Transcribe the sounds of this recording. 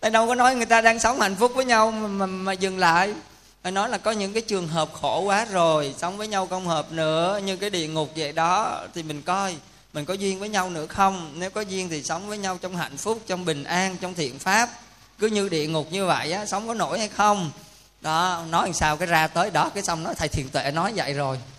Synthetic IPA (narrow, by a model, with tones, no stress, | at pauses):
t̪aː˧jɗə˧wkɔ˨˦nɔ˨˦jŋɨ˨˩əjt̪aː˧ɗaː˧ŋsə˨˦wŋ͡mha̰˧˨jŋ̟fʊ˦˥k͡p̚vəː˨˦jɲa˧wm˨ma˨˩maː˨˩zɨ˨˩ŋla̰ː˧˨j | a˨˩nɔ˨˦jlaː˨˩kɔ˨˦ɲɨ̰˧˥ŋkaː˨˦jt͡ɕɨ˨˩əŋɦəː˨˩p̚xo˧˩kwaː˨˦zo˨˩jsə˨˦wŋ͡mvəː˨˦jɲa˧wkə˧wŋ͡mhəː˨˩p̚nɨ̰˧˥əɲɨ˧kaː˨˦jɗḭ˧˨əŋʊ˨˩k͡p̚zə̰˧˨jɗɔ˨˦t̪ʰi˨˩mï˨˩ŋ̟kɔ˧j | mï˨˩ŋ̟kɔ˨˦zwi˧ənvəː˨˦jɲa˧wnɨ̰˧˥əxə˧wŋ͡mne˨˦wkɔ˨˦zwi˧əŋt̪ʰi˨˩sə˨˦wŋ͡mvəː˨˦jɲa˧wt͡ɕɔ˧wŋ͡mɦa̰˧˨jŋ̟fʊ˦˥k͡p̚t͡ɕɔ˧wŋ͡mɓï˨˩ŋ̟ʔaː˧nt͡ɕɔ˧wŋ͡mt̪ʰḭ˧˨ənfaː˦˥p̚ | kɨ˨˦ɲɨ˧ɗḭ˧˨əŋʊ˨˩k͡p̚ɲɨ˧və̰˧˨jʔaː˨˦sə˨˦wŋ͡mkɔ˨˦no̰˧˩jha˧jxə˧wŋ͡m | ɗɔ˨˦nɔ˨˦jhsaː˧wkaː˨˦jzaː˧t̪əː˨˦jɗɔ˨˦kaː˨˦jsa˧wŋ͡mnɔ˨˦t̪ʰa˨˩jt̪ʰḭ˧˨nt̪wḛ˧˩nɔ˨˦jzə̰˧˨jzo˨˩j